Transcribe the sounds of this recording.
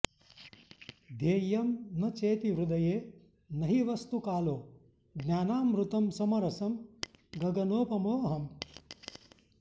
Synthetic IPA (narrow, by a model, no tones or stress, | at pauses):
d̪eːjɐmnɐt͡ʃeːt̪iʋɾud̪ɐjeː | nɐɦiʋɐst̪ukaːloː | ɡnʲjaːnaːmɾut̪ɐmsɐmɐɾɐsɐmɡɐɡɐnoːpɐmoːɦɐm